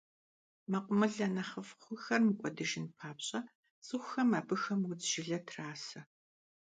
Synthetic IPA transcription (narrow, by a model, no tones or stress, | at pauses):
mɐqʷʼʊmɨɮɐnɐχəfχʷʊxɐrmɨkʷʼɔdɨʒɪnpʰaːpɕʼɐ | sʼɨxʷʊxɐmaːbɨxɐmwʊd͡zʒɪɮɐtʰraːsɐ